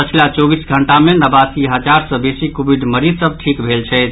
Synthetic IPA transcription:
pət͡ʃʰilat͡ʃɔbisɡʱəɳʈamenəbasiɦəd͡ʒaɾsə̃besikobiɖ̪məɾisəb̚ʈʰikbʱelt͡ʃʰɛt̪

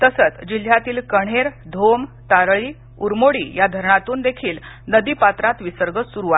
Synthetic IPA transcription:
t̪əsət͡sd͡ʑil̤jat̪iːlkəɽ̤̃eɾd̪ʱomt̪aɾɭiː | uɾmoɽiːjad̪ʱəɾɳat̪uːnd̪ekʰiːl | nəd̪iːpat̪ɾat̪ʋisəɾɡəsuɾua

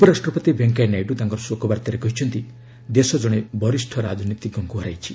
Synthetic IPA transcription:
upɔɾasʈɾɔpɔt̪ibeŋkajnajɖut̪aŋkɔɾɔsokɔbaɾt̪ɔɾekɔɦit͡ʃʰɔnt̪i | d̪esɔd͡ʒɔɽ̃ebɔɾisʈʰɔɾa̰d͡ʒʱɔnit̪iɡɔŋkuɦɔɾa̰jt͡ʃʰi̥

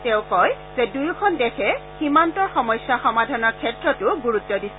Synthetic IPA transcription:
tẽʊ̃kɔj | z̥edujkʰɔndɛxʰɛximantɔɹxɔmɔjsːaxɔmadʱɔnɔɹkʰːɛtɹɔtʊɡuɹutːɔdis

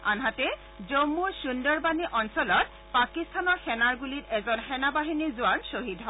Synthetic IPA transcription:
a̰nɦatɛ | zomːusundɔɹbaniʔɔnsɔlɔt̚ | pakistʰanɔɹxɛnaɹɡulitɛzɔnxɛnabaɦinizʊansoɦidɦɔ

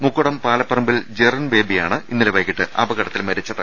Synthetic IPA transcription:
mukːuɽɐmpaːlɐpːɐrɐmbild͡ʑerɐnʋe̞ːbijaːɳɨinːileʋɐjkːiʈːɨɐ̰bɐɣɐɽɐt̪ːilmɐɾɐt͡ɕːɐðɨ

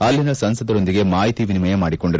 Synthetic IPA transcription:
ɐlːɪnɐsɐnsɐðɐɾɯnd̪ɪɣemaːjɐt̪ːiʋɪnɯmɐjɐmaːɽɪkːɔɳɖɪɾ

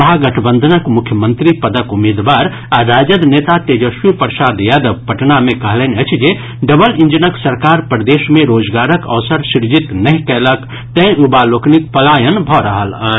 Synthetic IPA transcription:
ɦaɡɐʈʰbə̃nd̪ʱənəkmʊkʰjəmə̃nt̪ɾipəd̪əkʊmeːd̪ʋaːɾ | aɾaːd͡ʒəd̪neːt̪at̪ed͡ʒəʃwipəɾsaːd̪jaːd̪əbpəʈnamẽkɐɦlɛnət͡ʃʰd͡ʒe | ɖəbəlĩnd͡ʒənəksəɾkaːɾpɾəd̪eːʃmẽɾoːd͡ʒɡaːɾəkɐ̰ʋsəɾsɪɾd͡ʒit̪nɐɦĩkɛlək | t̪ɛ̃ubaloːknikpəlaːjənbʱɔɾəɦələ

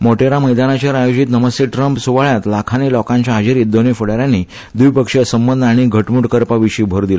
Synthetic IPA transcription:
moʈeɾaməjd̪anat͡ɕəɾajod͡ʑit̪nəməst̪eʈɾəmpsuʋaɭjat̪lakʰanilɔkãɲt͡ɕjaɦad͡ʑiɾid̪ːonifəɽaɾjanːi | d̪ujpəkʂəsəmbənd̪aɽ̃iɡʱəʈmuʈkəɾpaʋiɕiːbʱəɾd̪il

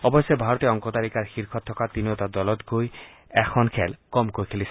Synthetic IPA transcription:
ɔbɔsebʱaɾɔt̪eɔŋkɔt̪aɾikaɹxiɾkʰɔt̪ʰːɔkat̪iniot̪ad̪ɔlɔt̪ɡoj | ɛkʰɔnkʰɛlkɔmkojkʰelis

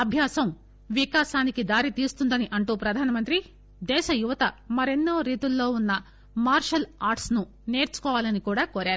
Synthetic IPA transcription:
ɐbʱjaːsɐm | ʋikaːʃaːnikid̪aːɾit̪iːst̪und̪ɐniʔɐɳʈuːpɾɐd̪ʱaːnɐmɐnt̪ɾi | d̪ɛːʃɐjuʋɐt̪ɐmɐɾenːoːɾiːt̪ulːo̞ːunːɐ | maːɾʃɐlaːɾʈsnu | ne̞ːɾt͡ʃu̥kɔːʋaːlɐnikuːɽaːkoːɾaːɾu

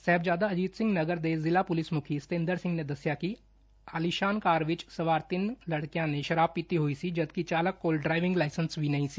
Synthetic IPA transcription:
sɛɦːbd͡ʒjaːd̪aɐd͡ʒiːt̪sɪ̃ŋɡnɐɡəɾd̪eːzɪlapʊlɪsmʊkʰist̪ẽːnd̪əɾsɪ̃ŋɡned̪ɐsjaki | aːliʃaːnkaːɾʋɪt͡ʃsɐʋaːɾt̪ɪnlɐɽkijãnẽʃɐɾaːbpːit̪iɦʊisid͡ʒɐd̪kit͡ʃaːləkːoːlɖɾaːɪʋɪ̃ŋɡlaːɪsənsbʱinɐɦĩsi

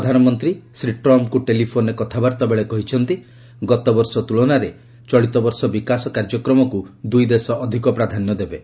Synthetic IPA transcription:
d̪ʱanɔmɔnt̪ɾisɾiʈɾɔmkuʈelipʰoɾnekɔt̪ʰabaɾt̪ɔbeɭekɔɦit͡ʃʰɔnt̪i | ɡɔt̪ɔbɔɾsɔt̪uɭɔnaɾe | t͡ʃɔɭit̪ɔbɔɾsɔbikasɔkaɾd͡ʒɔkɾɔmɔkud̪ujd̪esɔʔːd̪ʱikɔpɾad̪ʱanːɔd̪ebe

